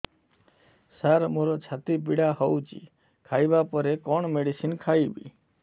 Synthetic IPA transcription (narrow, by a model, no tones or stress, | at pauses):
saɾmoɾɔt͡ʃʰat̪ip̬iɽahɔwt͡ʃḭ | kʰajbapɔɾekɔɳ̃meɽisinkʰajbḭ